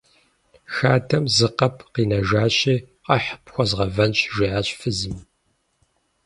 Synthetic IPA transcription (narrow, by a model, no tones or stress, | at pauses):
xaːtʰɐmzɨqɐpʰqiːnɐʒaːɕiː | qɐħpxʷɔzʁɐvɐnɕʒiʕaːɕʼfɨzɨm